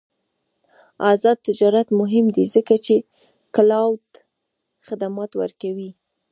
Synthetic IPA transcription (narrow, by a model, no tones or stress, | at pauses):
ɑzɑd̪̚t̪ɪd͡ʒɑɾat̪mʊɦɪmd̪izəkat͡ʃe | kalɑwd̪ | xɪd̪amɑt̪wə̰ɾkawi